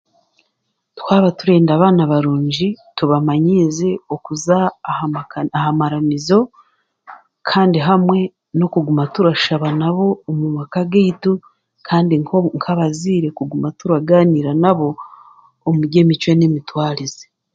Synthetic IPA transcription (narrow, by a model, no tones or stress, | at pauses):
twaːβatuɾe̞ːndaβaːnaβaɾuːɲɟituβamaɲize̞okuza | ahamaɾamizo̞ | kʰaːndiɦamwe̞ | no̞kuɡumatuɾaʃaβanaβo̞ːmuβakaɡiitu | kʰaːndiŋkoŋkʰaβaziːɾe̞kuɡumatuɾaɡaːniɾanaβo̞ː | muɾɟe̞mit͡ʃwenemitwaːɾize